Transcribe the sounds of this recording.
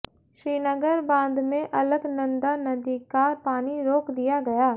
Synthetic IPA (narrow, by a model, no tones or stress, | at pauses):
ʃɾiːnəɡəɾbãːnd̪mẽʔɐləɡnɐ̃nd̪anɐd̪iːkaːɾpaːniɾoːkd̪ijaɡɐjaː